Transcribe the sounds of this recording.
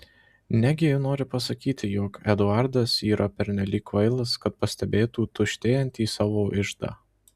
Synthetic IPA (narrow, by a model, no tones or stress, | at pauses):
nʲæɡʲɪjɪnoːɾʲɪpɐsɐkʲiːt̪ʲɪjoːkɛd̪ʊɑˑɾd̪ɐsiːɾʔɐpʲɛɾʲnʲɛlʲiːkʋɐɪlˠɐskɐt̪̚pɐsʲt̪ʲɛbʲeːt̪uːt̪ʊʃʲt̪ʲeːjɛnʲt̪ʲiːsɑːʋoːʔɪʒd̪ɑ̰ː